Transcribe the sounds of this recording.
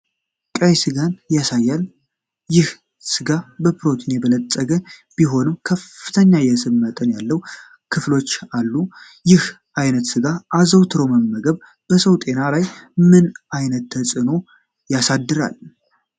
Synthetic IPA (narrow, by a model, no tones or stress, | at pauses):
kʼəjsɨɡanjasajːal | jɪh | sɨɡabəpɾo̞t̪ʰnebələt̪ʼːəɡəbiɦo̞nɨmkʰəfːɨt̪ʰəɲːajɛsɨbmət̪ʼənjalːəw | kʰɨflo̞t͡ʃːalːu | jɪh | ʔajnət̪sɨɡaʔazəwt̪ʰɨɾoməmːəɡəβ | b̥əsəwt̪ʼe̞nalajmɨnajnət̪ːʰəsʼɨno̞ | jasad̪ːɨɾa̰l